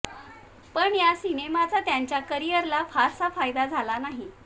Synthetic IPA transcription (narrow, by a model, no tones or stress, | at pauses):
pəɳjasinemat͡sat̪jaɲt͡ɕjakəɾijəɾlafaɾsafajd̪ad͡zʱalanaɦi